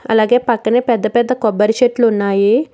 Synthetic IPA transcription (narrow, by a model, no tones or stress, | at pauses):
ɐ̰laːɡeːpɐkːɐneːpɛd̪ːɐpɛd̪ːɐkɔbɐɾʃeʈlunːaːji